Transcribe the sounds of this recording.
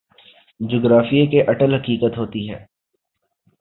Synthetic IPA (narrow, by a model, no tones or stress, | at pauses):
d͡ʒoːɡɾaːfijekeʔɐʈəlɦɐkiːkət̪ɦoːt̪iɦɛ̰ː